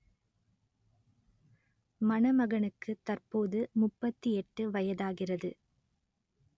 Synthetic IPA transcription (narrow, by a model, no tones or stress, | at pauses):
mɐnɐmɐɣɐɳɯkːɯt̪ɐrpoːðɯmʊpːɐt̪ːiɛʈːɯʋɐjɐðaːɣɪrɐðɯ